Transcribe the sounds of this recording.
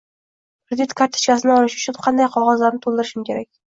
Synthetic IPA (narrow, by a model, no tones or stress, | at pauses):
kʰɾɪd̪it̪kʰaɾt̪ʰːɪ̥t͡ʃkʲasɪnɪɒlɪʃʊt͡ʃʰʊnqʰɑnd̪ajqʰɒʁɒzlaɾnɪt̪ʰolˠd̪ɪɾɪʃɪmkʲe̞ɾakʲ